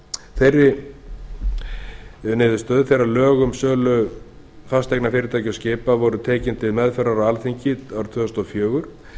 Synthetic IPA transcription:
θejrːɪ | nɪːðʏst̪œːðθejɾalœːɣʏmsœːlʏ | fast̪ɛjknafɪːɾɪt̪ʰaːjcascɪːpavɔɾʏt̪ʰɛːcɪnt̪ʰɪðmɛðfɛɾaɾawalθiɲcɪawɾt̪ʰvʏːst̪ɔfjœːɣʏɾ̥

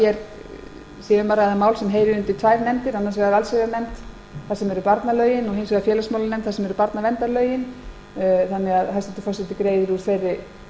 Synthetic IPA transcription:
jɛɾ | siːʏmpaːɾaɛðamaːwlsɛmɦeːjɾɪʏnt̪ɪlt̪ʰvaːjvnɛmt̪ɪɾanːaɾsvɛɣaɾalsɛɣanɛmt̪ | θasɛmɛɾʏpaɾt̪nalœːɥjɪnɔɣhejnsvɛɣafjɛːlasmawlanɛmt̪θḁsɛmɛɾʏpaɾt̪navɛnt̪aɾlœːɥjɪn | θanːɛɣaðɦasɪt̪ʏ̥fɔsɪt̪ɪkɾejðɪɾuɾ̥θfejrːɪ

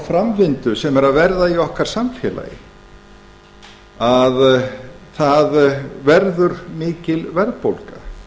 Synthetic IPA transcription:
fɾamvɪnt̪ʏsɛmɛɾaðvɛɾðaiɔhkaɾ̥samfjɛ̰ːla̰jɪ̰ | aðθaðvɛɾðʏɾmɪːcɪlvɛɾðpowlka

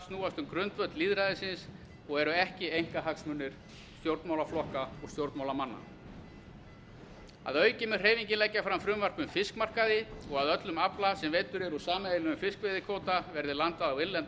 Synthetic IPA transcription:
st̪nuːast̪ʏmkɾʏnt̪vœt̪liːðɾaðɪsɪns | ɔɣɛɾʏɛhcɪejŋ̥kaɦaksmʏnːɪɾ̥ | st̪jowɾt̪mawlaflɔhkaɔɣst̪jowɾt̪mawlamanːa̰ | a̰ðœːɥcɪmɛ̥r̥eːjviɲcɪnlɛjcːafɾamfɾʏmvar̥pʏmfɪskmar̥kaðɪɔɣaðœt̪lʏmaplasɛmvejt̪ʏɾɛɾusaːmaejlɪʏmfɪskvɪðɪkʰoːwt̪avɛɾðɪlant̪aðawɪlːɛnt̪

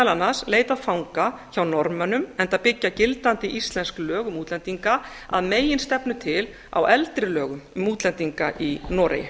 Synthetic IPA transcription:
lanːasleːjt̪afawŋkaçawnɔɾmanʏmɛnt̪apɪcːacɪlt̪ant̪ɪʔist̪lɛnsklœːɣʏmuːt̪lɛnt̪iŋka | a̰ðmeːjɪnst̪ɛpnʏt̪ʰɪl | a̰wɛlt̪ɾɪlœːɣʏmmːuːt̪lɛnt̪iŋkaʔinɔːɾḛjɪ

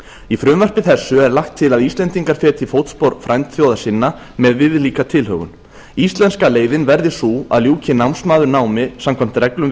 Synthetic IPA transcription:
ifɾʏmvar̥pɪθɛsːʏɛɾlaxkt̪ʰːɪlaðist̪lɛnt̪iŋkaɾ̥fɛːt̪ʰɪfowt̪spoɾfɾajnt̪θjowðasɪnːa | mɛðvɪðliːkat̪ʰɪlhɦœ̰ːɣʏ̰n | ist̪lɛnskaleːjðɪnvɛɾðɪsuːa̰ðljuːcʰɪnawmsmaːðʏɾnaːwmɪsamkʰvam̥t̪rɛklʏm

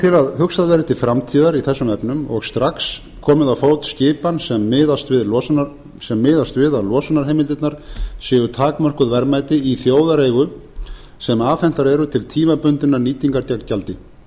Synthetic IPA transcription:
t̪ʰɪlaðɦʏksaðvɛɾt̪ɪfɾamt̪ʰiːðaɾiθɛsːʏmɛpnʏmɔɣst̪ɾaks | kʰɔːmɪðawfoːwt̪scɪːpansɛmːɪðast̪vɪðlɔ | sɛmːɪːðast̪vɪðalɔːsanaɾɦejmɪlt̪ɪt̪naɾ̥sjɛːɣʏt̪ʰaːkmœr̥kʏðvɛɾmaːjt̪ɪiθjoːwðaɾeːjɣʏ | sɛmaːfɛn̥t̪aɾɛɾʏt̪ʰɪlt̪ʰiːmapʏnt̪ɪnaɾniːt̪iŋkaɾc̪akcalt̪ɪ

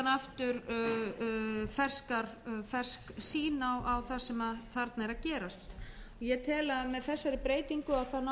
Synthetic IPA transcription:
naft̪ʏɾ | fɛr̥skaɾfɛr̥sksiːnawʔawθasɛmaθaɾt̪nɛɾacɛːɾast̪ɔjɛt̪ʰɛːlaðmɛðθɛsːaɾɪpɾeːjt̪iŋkʏaθana

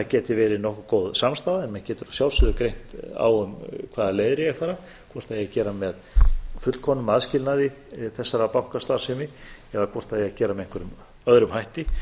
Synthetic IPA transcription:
acɛːt̪ɪvɛːɾɪnɔhkʏkoːwðsamst̪aːðaɛnmɛðcɛːt̪ʏɾasjawlsʏðʏkɾejn̥t̪a̰wʏmkʰvaːðaleːjðɾɪjɛɣθaːɾa | kʰvɔr̥t̪θaðjɛacɛːɾamɛðfʏt̪kʰɔnʏmaðscɪlnaði | θɛsːaɾapawŋ̥kast̪ḁsɛmɪɛɾakʰvɔr̥t̪θaðjɛacɛːɾamɛðejŋkʰʏɾʏm | œðɾʏmhajht̪ɪ

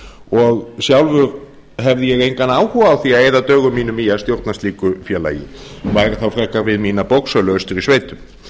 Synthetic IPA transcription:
ɔɣsjawlvʏɾ | ɦɛvðɪjɛɣejŋkanaːwhuvaːwθiaeːjðat̪œːɣʏmːiːnʏmijast̪jowɾt̪nasliːkʏfjɛːla̰ːjɪ̰vaːjɾaθawfɾɛhkaɾvɪðmiːnapowksœlœst̪ʏɾisveːjt̪ʏm

